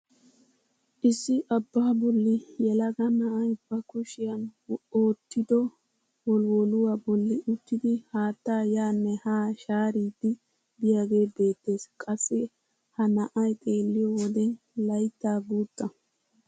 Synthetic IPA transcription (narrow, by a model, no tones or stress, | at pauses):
ʔɪsːɪʔɐbːaːbɔlːɪjɛlɐɡɐnɐʔɐjb̥ɐkʊʃɪjɐnoːt̪ʰːɪd̪ɔ | wɔlwɔlʊwaːbɔlːɪʔʊt̪ːɪd̪ɪhaːt̪ːaːjaːnːɛhaːʃaːɾiːd̪ːɪ | bɪjaɡe̞ːbe̞ːt̪ːe̞ːskʼɐsːɛ | hɐnɐʔɐjt̪ʼe̞ːlːɪjɔwɔd̪ɛn | lɐjt̪ːaːɡuːt̪ʼːɐ